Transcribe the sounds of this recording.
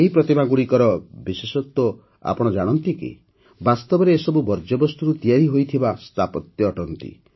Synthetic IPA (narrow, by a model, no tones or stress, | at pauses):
eɦipɾɔt̪imaɡuɽikɔɾɔbisesɔt̪wɔ | a̰pɔɽ̃ɔd͡ʒaɽ̃ɔnt̪ikḭ | bast̪ɔbɔɾeːsɔbubɔɾd͡ʒɔbɔst̪uɾut̪ijaɾiɦojt̪ʰibast̪ʰapɔt̪jɔːʈɔnt̪ḭ